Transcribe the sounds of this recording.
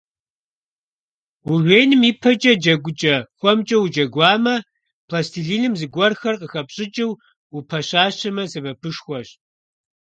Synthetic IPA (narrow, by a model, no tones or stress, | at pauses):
wuʁʷeːnɨmiːpʰɐt͡ʃʼɐd͡ʒɐɡʷʊt͡ʃʼɐxʷɔmt͡ʃʼɐwd͡ʒɐɡʷɑːmɐ | pʰlastʰiɮiːnɨmzɨɡʷɔrxɐrqəxɐpɕʼɪt͡ʃʼɪw | upʰɐɕaːɕɐmɐzɨbɐpʰɨʃxʷɔɕ